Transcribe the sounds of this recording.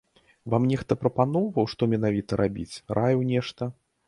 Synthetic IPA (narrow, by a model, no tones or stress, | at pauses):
vamnʲɛxt̪ɐpɾɐpanɔwvɐwʂt̪ɔmʲɛnavʲit̪ɐɾʔabʲḭt͡sʲɾʔajɛwnʲɛʂt̪ɐ